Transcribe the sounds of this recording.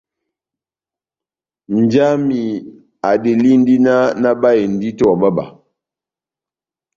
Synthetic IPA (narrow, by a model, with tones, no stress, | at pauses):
n̩˨d͡ʒa˦mi˨ | a˨di˨li˦n̩˦di˦na˦na˦ba˦e˨n˨di˦tɔ˦a˨ba˦ba̰˨